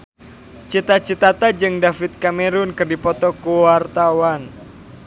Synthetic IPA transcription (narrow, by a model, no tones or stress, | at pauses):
t͡ʃit̪at͡ʃit̪at̪ad͡ʒɨŋdafit̪̚kameɾʊnkɨrdipɔt̪ɔkuwart̪awan